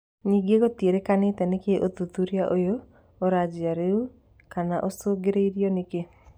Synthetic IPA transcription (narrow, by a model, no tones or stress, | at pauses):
ɲiɡeɡotjeɾekanɪt̪ɛnekeʔot̪ut̪uɾjaʔojo | oɾad͡ʒɪaɾeu | kanaʔosoɡɪɾeiɾjɔnɪke